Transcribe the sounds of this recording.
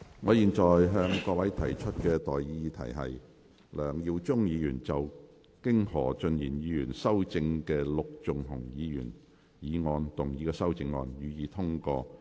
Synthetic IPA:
ŋɔː˨˧jiː˨˩nt͡ʃɔː˨˩jɦœː˧ŋkɔː˧wɐ˨˥jt̪ʰɐ˨˩jt͡ʃʰɵ˥t̚kɛː˧t̪ɔː˨jjiː˧t̪ʰɐ̰˨˩jɦɐ̰˨j | lœː˨˩ŋjiː˧wt͡sʊ˥ŋjiː˨˧jyː˨˩nt͡sɐ˨w | kɪ˥ŋhɔː˨˩t͡ʃɵ˨˧njiː˨˩njiː˨˧jyː˨˩nsɐ˥wt͡sɪ˧ŋkɛː˧lʊ˨k̚t͡sʊ˨ŋɦʊ˨˩ŋjiː˨˧jy̰ː˨˩n | jiː˨˧ŋɔː˧nt̪ʊ˨˩ŋjiː˨˧kɛː˧sɐ˥wt͡sɪ˧ŋːɔː˧njyː˨˧jiː˨˧t̪ʰʊ˥ŋkɔː˧

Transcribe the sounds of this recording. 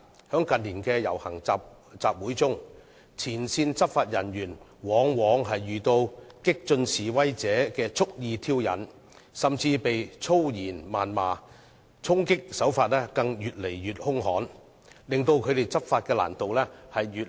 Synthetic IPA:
hœː˨˥ŋkɐ˨nliː˨˩nkɛː˧jɐ̰˨˩whɐ˨˩ŋt͡sa˧p̚ | t͡saː˨p̚wuː˨˥jt͡sʊ˥ŋ | t͡sʰiː˨˩nsiː˧nt͡sɐ˥p̚faː˧t̚jɐ˨˩njyː˨˩n | wɔː˨˧ŋwɔː˨˥ŋɦɐ˨jːyː˨t̪o˧wkɪ˥k̚t͡ʃɵ˧nsiː˨wɐ˥jt͡sɛː˨˥kɛː˧t͡sʰʊ˥k̚jiː˧t̪ʰiː˥wjɐ̰˨n | sɐ˨mt͡siː˧pe˨jt͡sʰo˥wjiː˨˩nmaː˨nmaː˨ | t͡sʰʊ˥ŋkɪ˥k̚sɐ˨˥wfaː˧t̚lɛː˥kɐ˧ŋjyː˨t̚le˨˩jːyː˨t̚hʊ˥ŋhɔː˨˥n | lɪ˨ŋt̪o˧wkʰɵ˨˧ɥt̪e˨jt͡sɐ˥p̚faː˧t̚kɛː˧la̰ː˨˩nt̪o˨wlɛː˥hɐ˨jɥyː˨

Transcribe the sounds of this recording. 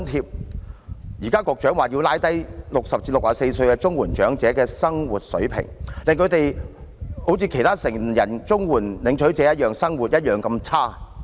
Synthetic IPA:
nt̪ʰiː˧p̚ | jiː˨˩kaː˥kɔː˧k̚t͡ʃœː˨˥ŋwaː˨ji˧wlaː˧˥jt̪ɐ˥jlʊ˨k̚sɐ˨p̚t͡siː˧˥lʊ˨k̚ʔaː˨se˧jsɵ˧ɥkɛ˧t͡sʊ˥ŋwuː˨˩nt͡ʃœː˨˥ŋt͡sɛː˨˥kɛː˧sɐ˥ŋwuː˨t̚sɵ̰˨˥ɥpʰɪ̰˨˩ŋlɪ˨ŋkʰɵ˨˧ɥt̪e˨j | ho˨˥wt͡sʰiː˧kʰe˨˩jt̪ʰaː˥sɪ˨˩ŋjɐ˨˩nt͡sʊ˥ŋwuː˨˩nlɪ˨˥ŋt͡ʃʰɵ˨˥ɥt͡sɛː˨˦˥jɐ˥t̚jœː˨˩ŋsɐ˥ŋwuː˨t̚jɐ˥t̚jœː˨˩ŋkɐ˧mt͡sʰaː˥

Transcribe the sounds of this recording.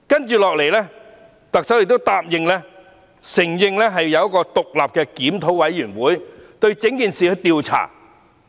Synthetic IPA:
kɐ˥nt͡ʃyː˨lɔː˨k̚le˨˩jlɛː˥ | t̪ɐ˨k̚sɐ˨˥wjɪ˨˧k̚t̪o˥wt̪aː˧p̚jɪ˨ŋlɛː˥ | sɪ˨˩ŋjɪ˧ŋlɛː˥ɦɐ˨jːɐ˨˧wjɐ˥kɔː˧t̪ʊ˨k̚laː˨p̚kɛː˧kiː˨˥mt̪ʰo˨˥wɐ˨˥jːyː˨˩nwuː˨˥jt̪ɵ˧ɥt͡sɪ˨˥ŋkiː˨nsiː˨kʰɵ˧t̪iː˧wt͡sʰa̰ː˨˩

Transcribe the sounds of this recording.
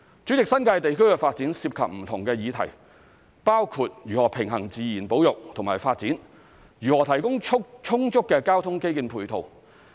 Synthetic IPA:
t͡sy˨˥t͡sɪ˨k̚sɐ˥nkaː˧jt̪e˨jkʰɵ˥ɥkɛ˧faː˧t̚t͡siː˨˥nsiː˧p̚kʰɐ˨p̚m̩˨˩t̪ʰʊ˨˩ŋkɛː˧jiː˨˧t̪ʰɐ̰˨˩j | paː˥wkʰuː˧t̚jyː˨˩hɔː˨˩pʰɪ˨˩ŋɦɐ˨˩ŋt͡siː˨jiː˨˩npo˨˥wjʊ˨k̚t̪ʰʊ˨˩ŋmaː˨˩jfaː˧t̚t͡siː˨˥n | ɥyː˨˩hɔː˨˩t̪ʰɐ˨˩jkʊ˥ŋʰʊ˥t͡sʰʊ˥ŋt͡sʊ˥kːɛː˧kaː˥wt̪ʰʊ˥ŋke˥jkiː˧npʰuː˨˩jt̪ʰo˨˩w

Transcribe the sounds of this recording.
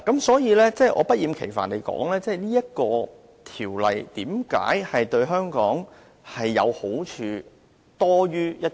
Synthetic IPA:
kɐ˨˦msɔː˨˥jiː˨˧lɛː˥t͡sɛ˥˩ʔɔ̰ː˨˧pɐ˥t̚jiː˨˧mkʰe˨˩jfaː˨nle˨˧jkɔ̰ː˨˥ŋlɛː˥t͡sɛː˥˩niː˥jɐ˥t̚kɔː˧ | t̪ʰiː˨˩wlɐ̰˨˩jt̪iː˨˥mka̰ː˨˥jhɐ˨jt̪ɵ˧ɥɦœː˥ŋkɔː˨˥ŋ | hɐ˨jːɐ˨˧who˨˥wt͡ʃʰyː˨˧ | t̪ɔː˥ɥyː˥jɐ˥t̚

